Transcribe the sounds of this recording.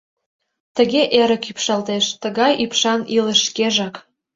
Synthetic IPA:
t̪ə̆ɣeʔeɾə̆kypʃɑlt̪eʃt̪ə̆ɣɑjʔypʃɑnilə̆ʃːkeʒɑk

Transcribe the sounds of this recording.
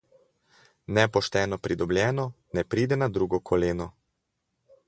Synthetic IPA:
nɛpɔʃt̪ɛːnɔpɾid̪ɔbljɛːnɔ | nɛpɾiːd̪ɛnad̪ɾuːɡɔkʰɔleːnɔ

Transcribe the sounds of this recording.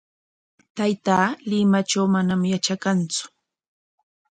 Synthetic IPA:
t̪ajt̪aːlɪmat͡ʃawmanamjat͡ʃakant͡sʊ̥

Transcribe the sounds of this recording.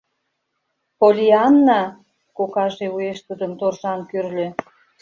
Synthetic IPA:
polʲiɑnːɑ | kokɑʒeueʃt̪ud̪ə̆mt̪orʒɑnkyrlø̆

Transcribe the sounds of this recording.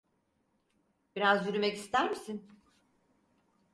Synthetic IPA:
b̥iɾazjyɾymɛcist̪æɾmisin

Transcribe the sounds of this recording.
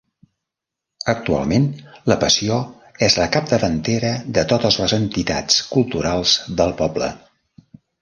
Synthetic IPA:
ək̚t̪ua̰lˠmenləpəsio | ɛzləkap̚d̪əβənt̪eɾəðət̪ot̪əzləzənt̪it̪a̰t͡skulˠt̪uɾalˠzðəlˠpɔblə̰

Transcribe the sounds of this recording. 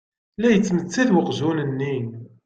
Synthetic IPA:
læjət͡sːmət͡sːæðwəqzunənːin

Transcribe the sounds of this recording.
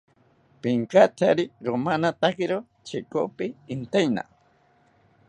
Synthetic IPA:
pɪŋkat̪ʰaɾɪɾomanat̪akɪɾo | t͡ʃɪkopɪːnt̪ajna̰

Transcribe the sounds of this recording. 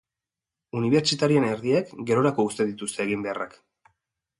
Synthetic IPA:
uniβ̞e̞ɾt͡ʃit̪aɾiene̞ɾðiekɡe̞ɾo̞ɾako̞ust̪e̞ðit̪ust̪e̞ːɣimbe̞arak

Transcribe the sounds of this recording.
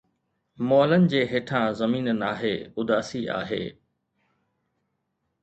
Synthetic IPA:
mɔːlənɪ̆d͡ʑeːɦeːʈʰãzɐmiːnənaːɦeʊd̪aːsia̰ːɦḛː

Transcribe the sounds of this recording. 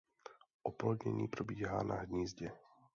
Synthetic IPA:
ʔɔplɔd̪ɲɛ̰ɲiːpɾɔbiːɦaːnaɦd̪ɲiːzɟɛ

